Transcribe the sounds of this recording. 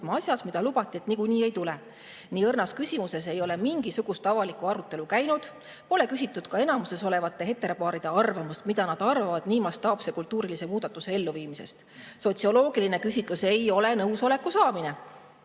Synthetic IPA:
mɑɑsʲjɑsmid̪̥ɑlub̥ɑt̪ːˑiet̪nikuniːe̞jt̪ule̞ | niːɤrnɑskysʲimuse̞s̬e̞jo̞le̞miŋɡ̥isuɡ̥ust̪ɑvɑlikuɑɾut̪ːˑe̞lukæjnud̪̥ | po̞le̞kysʲit̪ːˑud̪̥kɑe̞nɑmuse̞so̞le̞vɑt̪ːˑe̞ɦe̞t̪ːɾepɑːɾid̪̥e̞ɑrvɑmust̪mid̪̥ɑnɑd̪̥ɑrvɑvɑd̪̥niːmɑst̪ːɑːpse̞kult̪ːuːɾilise̞muːd̪̥ɑt̪ːˑuse̞e̞lːuviːmise̞st̪ | so̞t̪ʲsio̞lo̞ːɡ̥iline̞kysʲit̪ˑluse̞jo̞le̞nɤwso̞le̞kːˑusɑːmine̞

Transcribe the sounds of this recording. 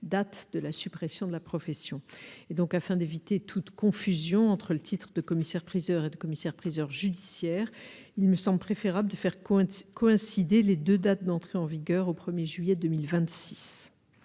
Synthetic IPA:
d̪at̪d̪̥əlasypχesjɔ̃d̪əlapχɔfɛsjɔ̃ed̪ɔ̃kafɛ̃d̪evit̪et̪ʰut̪kɔ̃fyzjɔ̃ɑ̃t̪χələt̪ʰit̪χəd̪əkɔmisɛʁpχizœʁed̪əkɔmisɛʁpχizœʁʒyd̪isjɛːʁ | ilməsɑ̃bləpχefeʁabld̪əfɛʁkɔɛ̃sid̪eled̪ød̪at̪̚d̪ɑ̃t̪χeɑ̃viɡʲœʁopχəmjeʒɥijɛd̪ømilvɛ̃t̪si̥s

